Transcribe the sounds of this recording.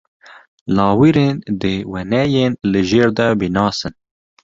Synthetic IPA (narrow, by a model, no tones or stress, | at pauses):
lɑːwiɾeːnd̪ɨwɛnɛjeːnlɨʒeːɾd̪ɛbinɑːsɨn